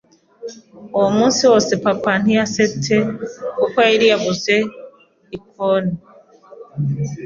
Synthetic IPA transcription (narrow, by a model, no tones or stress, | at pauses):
omũsiɔsepapaniasetʰekokaiɾiabʊze | ik̚ʰɔni